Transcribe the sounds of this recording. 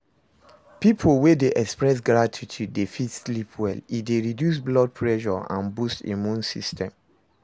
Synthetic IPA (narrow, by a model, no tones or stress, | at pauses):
pipʰolwedeʔɛkspɹɛs̬ɡɹatʰitʰudːefitslipʰwɛlideɹidjus̬blɔd̚pʰɹɛʃɔ̰ã̰nbustḭmũnsḭstɛ̃m